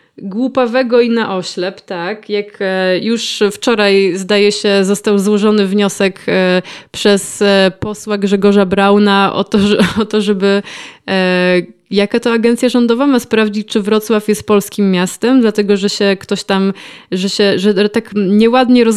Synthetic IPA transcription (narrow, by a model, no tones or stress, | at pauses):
ɡwupavɛɡɔinaʔɔɕlɛpt̪akjakjuʂft͡ʂɔɾajzd̪ajɛɕɛzɔst̪awzwɔʐɔnɘvɲɔsɛk | pʂɛspɔswaɡʐɛɡɔʐabɾawnaʔɔ̰t̪ɔʐɛɔt̪ɔʐɛbɘ | jakat̪ɔaɡɛnt̪sʲjaʐɔnd̪ɔvamaspɾavd͡ʑit͡ɕt͡ʂɘvɾɔt̪swafjɛst̪̚pɔlskʲimːjast̪ɛmd̪lat̪ɛɡɔʐɛɕɛkt̪ɔɕt̪amʐɛɕɛʐɛt̪akɲɛwad̪ɲɛɾɔz